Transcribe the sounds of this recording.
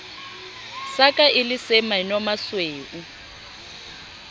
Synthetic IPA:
sakʼaʔɪlɪsɛmanɔmasweːʔu

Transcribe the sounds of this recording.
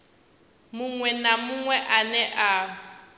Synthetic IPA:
mʊŋwɛnamʊŋwɛʔanɛʔa

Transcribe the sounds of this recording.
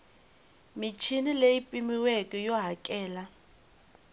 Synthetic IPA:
mit͡ʃʰinileipʼimiwɛkʼɛjɔɦakʼɛːla

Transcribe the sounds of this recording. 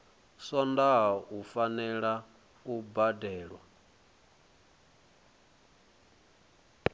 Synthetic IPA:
sɔndaɦufanɛɺa | ubadɛːɺwa

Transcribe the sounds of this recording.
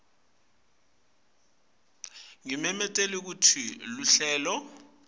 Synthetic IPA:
ŋimɛmɛtʼelik̬utʰiluɬɛːlɔ

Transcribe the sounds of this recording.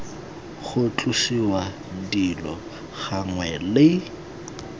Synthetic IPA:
χʊt͡ɬʼʊsiwa | dilɔ̰ | ɣaŋwɛlɪ

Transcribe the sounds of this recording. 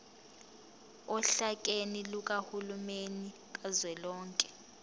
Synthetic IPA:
ɔɬakʼeniluk̬ʼahulumeni | k̬ʼazwɛlɔːŋkʼɛ̥

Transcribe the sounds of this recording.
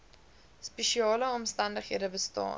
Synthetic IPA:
speʃiɑːləɔmstɐndəχɦiədəbəstɑ̰ː

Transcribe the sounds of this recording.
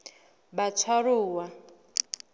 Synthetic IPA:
bat͡sʰwaruːwa

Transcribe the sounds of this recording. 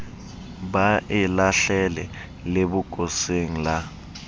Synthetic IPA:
ɓaʔɛlaɬɛlɛ | leɓuɡ̥ʼʱoseŋ̩la

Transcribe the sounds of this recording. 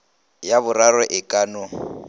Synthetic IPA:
jaβʊraɾɔʔɪkʼanʊ

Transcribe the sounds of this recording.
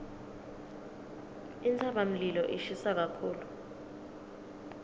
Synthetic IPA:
int͡sʰʼaɓam̩lilɔʔiʃisak̬akʰuːlu

